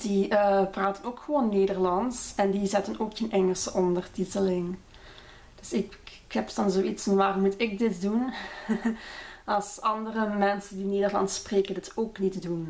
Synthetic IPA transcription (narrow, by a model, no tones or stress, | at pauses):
d̥iəpraːtənoːkxəʋoːnːeːdərlɑnsɛndizɛtənoːkənʔɛŋəlˠsəʔɔndərtitəlɪŋ | d̥ɵsɪk | kɛpdɑnzoːitsfɑnʋaːrɔmːutɪk̚dɪtdun | ɑlˠsɑndərəmɛnsəndineːdərlɑ̰ntspreːkəndɪtʰoːknitdun